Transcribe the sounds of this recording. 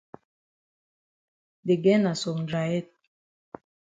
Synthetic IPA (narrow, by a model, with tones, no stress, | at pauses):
de˨ɡɛ˦na˨so˨md͡ʒa˨jɛ˦t̚